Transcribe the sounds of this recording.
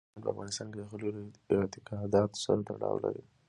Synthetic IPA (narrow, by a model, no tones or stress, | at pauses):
npəafɣɑnɪst̪ɑnked̪əxəloɾɑt̪ɪkɑd̪ɑt̪o̥saɾat̪aɽɑ̰wlaɾi